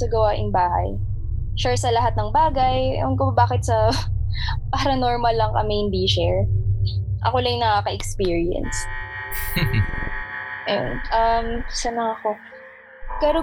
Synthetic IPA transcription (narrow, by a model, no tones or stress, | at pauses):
sɐɡɐwaʔɪŋbaːhɐ̰j | ʃasɐlɐɦat̪̚nɐŋbaːɡɐjʔʊnkoɐbaːkɪt̪̚sɐ | paɾɐnoɹmɐlːɐŋkɐmeɪnd̪iːʃɛɹ | ʔɐ̰kolɐjŋnɐkakɐʔɛkspiːɹɪɛ̰ns | ʔɐjo̰nʔɐmsɐnɐŋɐko̞ | kɛɾo